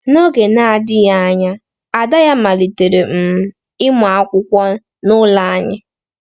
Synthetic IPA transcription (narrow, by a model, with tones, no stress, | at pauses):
no˦ɡe˨na˨dɪ˦ja˦a˦ɲa˦ | a˨da˦ja˦ma˨li˨te˨ɾe˨m̩˨m˦ɪ˦ma˨a˦kʷʊ˦kʷɔ˦ | nʊ˦la˦a˦ɲɪ˦